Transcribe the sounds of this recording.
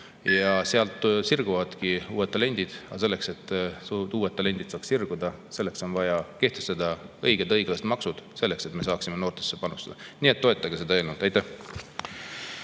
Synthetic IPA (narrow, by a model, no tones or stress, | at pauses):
jɑseɑlt̪ːˑsirɡ̥uvɑd̪̥kiuːet̪ːˑɑle̞nʲd̪̥id̪̥ɑ̰se̞lːe̞kse̞t̪ːuːwet̪ːˑɑle̞nʲd̪̥id̪̥sɑːkssirɡ̥ud̪ɑ | se̞lːe̞kso̞nvɑjɑke̞ht̪est̪ɑd̪̥ɑɤjɡ̥e̞d̪ɤjɡ̥lɑst̪mɑksud̪̥se̞lːe̞kse̞t̪me̞s̬ɑːksimeno̞ːrt̪e̥sːepɑnust̪ɑd̪ɑniːet̪ːo̞et̪ːˑɑɡese̞d̪ɑe̞ːlnult̪ɑjt̪æh